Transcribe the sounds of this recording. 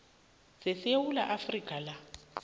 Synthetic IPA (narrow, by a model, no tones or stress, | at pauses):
sɪswulaʔafrikʼala